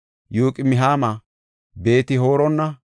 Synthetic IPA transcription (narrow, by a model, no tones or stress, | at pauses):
joːkʼɪmɪɦaːma | be̞ːt̪ɪho̞ːɾɔnːɐ